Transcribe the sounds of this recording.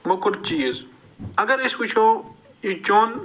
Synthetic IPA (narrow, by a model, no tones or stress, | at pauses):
mʊkɾd̪̚t͡ʃiːz | ɐɡəɾɪskʊt͡ʃʰoː | iːt͡ʃoːn